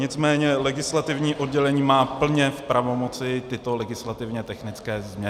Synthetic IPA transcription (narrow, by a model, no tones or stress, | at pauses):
ɲɪt͡smɛːɲɛlɛɡɪslat̪ɪvɲiːʔo̞dɟɛlɛɲiːmaːpl̩ɲɛfpɾavo̞mo̞t͡sɪt̪ɪt̪o̞lɛɡɪslat̪ɪvɲɛt̪ɛxnɪt͡skɛːzmɲɛ